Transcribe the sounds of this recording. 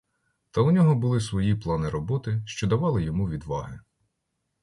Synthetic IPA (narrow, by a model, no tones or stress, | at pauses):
t̪ɐʊnʲɔɦɔbʊlˠɪsʋɔjiplˠɑnɪɾɔbɔt̪ɪʃt͡ʃɔd̪ɐʋɑlˠɪjɔmuʋʲid̪ʋɑɦɪ